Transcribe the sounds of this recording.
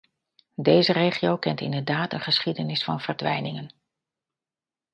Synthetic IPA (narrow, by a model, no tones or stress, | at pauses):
dejzərejχiowkɛntɪ̰ndəɹdaːtənχəsχidənɪsfɑnvəɹdʋɛ̰jnɪŋən